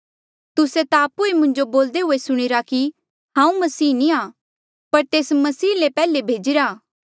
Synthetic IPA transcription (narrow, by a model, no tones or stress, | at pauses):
t̪ʊset̪aɐpuemʊ̃ɲd͡ʒoboːld̪eɦʊesʊɽ̃ɪɾaki | ɦãːũmɐsiːnĩaː | pɐɾt̪eːsmɐsiːlepɛːlebʱeːd͡ʒɪɾaː